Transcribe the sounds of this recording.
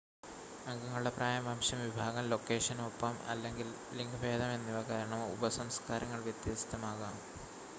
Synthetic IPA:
ɐŋɡɐŋːɐɭuɽe̞praːjɐmaːmɕjɐmʋibʱaːɣɐmlo̞kːe̞ːʂɐnmopːɐmɐ̰lːe̞ŋɡil | liŋɡʋʱe̞ːd̪ɐme̞nːiʋɐkaːɾɐɳɐmṵbɐsɐmskaːɾɐŋːɐɭʋjɐt̪jɐst̪ːɐmaːɣaːm

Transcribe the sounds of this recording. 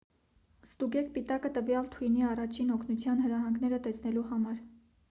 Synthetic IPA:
st̪uɡɛk̚ʰpit̪ɑkət̪əvjɑlt̪ʰujniɑrɑt͡ʃʰinɔkʰnut͡sʰjɑnhəɾɑɦɑŋɡnɛɾət̪ɛsnɛluɦɑmɑɾ

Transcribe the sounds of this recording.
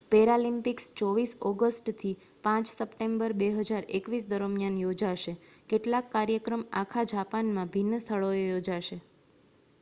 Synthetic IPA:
peɾalimpikst͡ʃɔʋisɔɡəsʈt̪ʰi | pãt͡ʃsəpʈembəɾbeɦəd͡ʒaɾekʋis̬d̪əɾəmjanjod͡ʒaʃekeʈlakːaɾjəkɾəma̰kʰad͡ʒapanmãbʱinːəst̪ʰəɭoejod͡ʒaʃe

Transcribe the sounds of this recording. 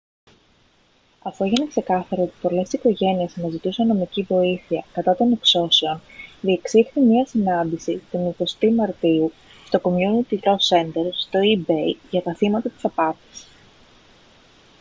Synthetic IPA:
ɐfue̞ʝinekse̞kɐθɐɾoot̪i̥po̞le̞ssiko̞ʝe̞nie̞sɐnɐzit̪isunɐno̞micivo̞iθiɐkɐt̪ɐt̪o̞ne̞kso̞se̞o̞nðie̞ksixθimɲiɐsinɐnd̪isit̪oniko̞st̪imɐɾt̪iu | st̪o̞ko̞mjunit̪ilo̞se̞nd̪eɾst̪o̞ibejʝɐt̪ɐθimɐt̪ɐt̪i̥sɐpɐt̪i̥s

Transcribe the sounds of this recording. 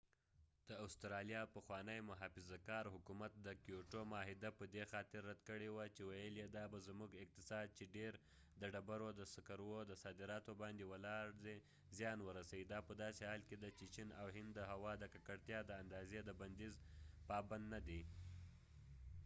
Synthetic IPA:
d̪̥əawst̪ɾɑlijɑpəxwɑnəjmʊɦɑfɪzakɑɾɦʊkumat̪̚d̪əkijoʈomɑɦɪd̪apəd̪exɑt̪ɪɾːad̪kəɽewat͡ʃewajəljed̪ɑbazmuɡɪq̚t̪ɪsɑd̪̚t͡ʃeɖeɾ | d̪əɖabaɾod̪əsakaɾwod̪əsɑd̪ɪɾɑt̪obɑnd̪ewəlɑɾd̪e | zjɑnwəɾasawid̪ɑpəd̪ɑsehɑlked̪at͡ʃet͡ʃinawɦɪnd̪ːəɦawɑd̪əkakaɽt̪jɑd̪əand̪ɑzed̪əband̪izpɑband̪nad̪e

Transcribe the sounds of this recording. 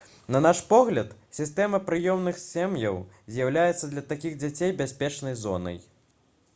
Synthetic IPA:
nɐnaʂpɔɣlʲɐt̪sʲist̪ɛmɐpɾɨjɔmnɨxsʲɛmjɐw | zʲjawlʲajɛt̪sːɐd̪lʲɐt̪akʲiɣd͡zʲat͡sʲejbʲasʲpʲɛt͡ʂnɐjzɔ̰nɐ̰j

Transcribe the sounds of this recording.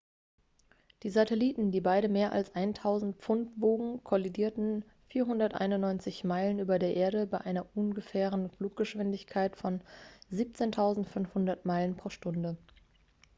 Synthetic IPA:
d̥iːzatʰɛliːtn̩diːbaɪɾəmeːɐʔa̰lsʔaɪntʰaʊzn̩t̚p͡fʊntv̥oːɡŋ̩kʰɔlidiːɐtn̩ | fiːɐɦʊndɐtʔa̰ɪnʊnːɔʏnt͡sɪçmaɪlənʔyːbɐdeːɐʔeːɐɾəbaɪʔaɪnɐʔʊnɡəfɛːʁənfluːk̚ɡ̥əʃv̥ɪndɪçkʰaɪtfɔnziːp̚t͡seːntʰaʊzn̩tfʏnfhʊndɐtmaɪlənpʁ̥oːɐʃtʊndə

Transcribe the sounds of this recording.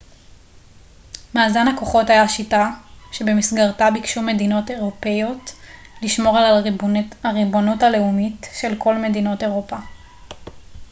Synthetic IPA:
maːzanhako̞χo̞thajaʃitaʃe̞be̞misɡaʁtabikʃume̞dino̞te̞ʁo̞pe̞jo̞t | liʃmo̞ʁal | aʁibonuthale̞umitʃe̞lko̞lme̞dino̞te̞ʁopa

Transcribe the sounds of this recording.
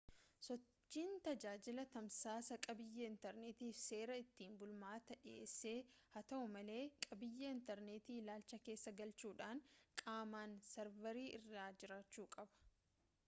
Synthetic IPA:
sɔt͡ʃt͡ʃt͡ʃːiːnt̪ɐd͡ʒaːd͡ʒɪlɐt̪ɐmsaːsɐkʼɐbɪjːɐɪnt̪ɛɾneːt̪iːfse̞ːɾɐɪt̪ːiːnbʊlmaːt̪ɐᶑɪeːsːe̞ːhɐt̪ɐʔʊmɐle̞ːkʼɐbɪjːɐɪnt̪ɛɾneːt̪iːlaːlt͡ʃɐke̞ːsːɐɡɐlt͡ʃuːᶑaːŋkʼaːmaːnsɛɾvɛɾiːʔɪ̰rːaːd͡ʒɪɾaːt͡ʃːuːkʼɐbɐ̥

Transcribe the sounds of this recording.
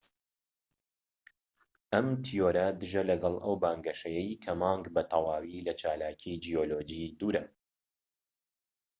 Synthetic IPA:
ʔɐmt̪ʰijoːɾɐd̪ɨʒɐlɐɡɑlˠʔɐwbaːŋɡɐʃɐjɛjkʰɐmɑːŋɡbɐt̪ʰɑwaːwilɐt͡ʃaːlaːcʰid͡ʒijoːloːd͡ʒid̪uːɾɐ

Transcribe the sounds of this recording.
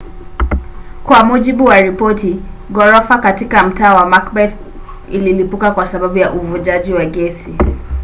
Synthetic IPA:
kwamuʄiɓuwaɾipɔti | ɡɔɾɔfakatikam̩taːwamakbɛθ | ḭlilipukakwasaɓaɓujaʔuvuʄaʄiwaɡɛsi

